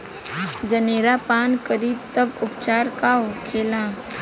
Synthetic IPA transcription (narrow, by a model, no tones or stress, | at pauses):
d͡ʒəneːɾapaːnkəɾiːt̪əbʊpt͡ʃaːɾkaːokʰeːlãː